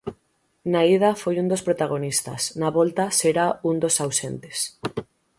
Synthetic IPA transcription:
naið̞afojund̪ospɾot̪aɣ̞onist̪a̰snaβolt̪aseɾaund̪osawsent̪es

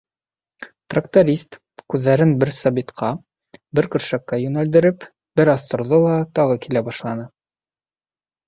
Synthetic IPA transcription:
t̪rakt̪oɾʲist̪ | kʉðːæɾɘnbɘɾsɑβit̪qʰɑ | bɘɾkɵ̆ɾʃækːæjʉnæld̪ɘ̆ɾɘp | bɘɾɑθt̪ŏɾðolˠɑt̪ɑʁɤkilæbɑʃlˠɑnɤ

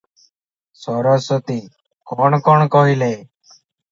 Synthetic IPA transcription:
sɔɾɔsət̪iː | kɔɳkɔɳkɔɦileː

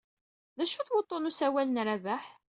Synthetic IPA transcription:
ðæʃuθwot̪ˤːonusæwælənɾævæħ

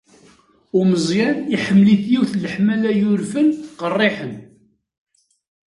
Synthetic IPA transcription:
ʊməzˤjæniħəmːliθjiwθləħmælæjʊɾfənqərˤːiħən

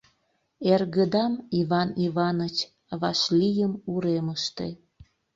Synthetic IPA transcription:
erɣəd̪ɑmiβɑniβɑnət͡ɕ | βɑʃlʲijəmuɾeməʃt̪ḛ

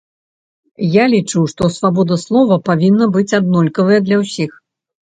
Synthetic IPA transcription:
jalʲit͡ʂuwʂt̪ɔsvabɔd̪ɐslˠɔvɐpavʲinːɐbɨt͡sʲad̪̚nɔlʲkɐvɐjɐd̪lʲɐwsʲix

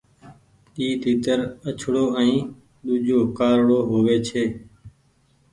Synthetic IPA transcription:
ɗiːd̪ʱiːt̪əɾət͡ʃʰɽoːə̃ĩː | ɗ̪uːd͡ʒʱoːkaːɾɽoːɦoːʋeːt͡ʃʰeː

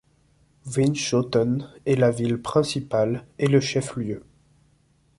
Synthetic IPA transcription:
vinʃot̪ɔnɛlavilpχɛ̃sipaleləʃɛfljø

